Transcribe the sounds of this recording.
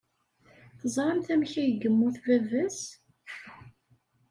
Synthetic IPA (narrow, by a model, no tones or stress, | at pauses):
θəzˤɾˤɑmθæmçæjəɡəmːuθvævæs